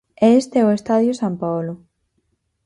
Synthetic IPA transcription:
ɛeest̪eɛʊest̪aðjosampawlʊ

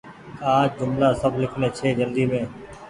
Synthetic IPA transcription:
kaːd͡ʒʊmlaːsəbʱlɪkʰneːt͡ʃʰeːd͡ʒənd̪iːmẽː

